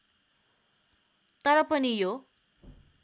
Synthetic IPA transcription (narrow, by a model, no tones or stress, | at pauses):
t̪ʌɾʌpʌnijo